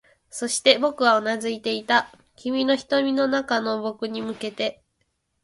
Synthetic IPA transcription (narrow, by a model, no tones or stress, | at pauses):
so̞ɕi̥t̪e̞bo̞kɯ̟βaonazɨit̪e̞it̪a | kʲimʲino̞çi̥t̪o̞mʲino̞nakano̞bo̞kɯ̟ɲ̟imɯ̟ke̞t̪e̞